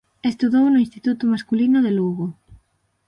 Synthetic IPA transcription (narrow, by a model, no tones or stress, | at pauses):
est̪uðownʊĩnst̪it̪ut̪ʊmaskulinʊðeluɣo